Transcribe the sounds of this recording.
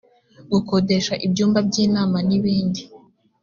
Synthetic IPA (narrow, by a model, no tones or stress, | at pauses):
ɡukodeʃaʔibɟuːmbab̚ɟiːnaːmaniβiːndi